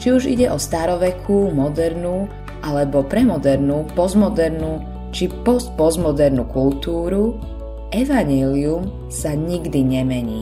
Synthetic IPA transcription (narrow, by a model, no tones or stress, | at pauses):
t͡ʃiuʒḭɟɛʔɔst̪aɾɔʋɛkʰumɔd̪ɛɾnuː | ʔalɛbɔpɾɛmɔd̪ɛɾnuːpɔzmɔd̪ɛɾnuː | t͡ʃipɔst̪̚pɔzmɔd̪ɛɾnukult̪uːɾu | ʔɛʋaɲɛlium | saɲiɡd̪iɲɛmɛɲḭː